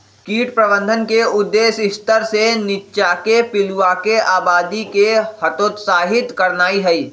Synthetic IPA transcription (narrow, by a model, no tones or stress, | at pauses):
kiːʈpɾəbə̃nd̪ʱənkeʊd̪ːeːsɪst̪əɾsenɪtːʃakepɪluakeʔaːbaːd̪ikehɐt̪oːt̪saːɦɪt̪kɐɾnaːiɦɛiː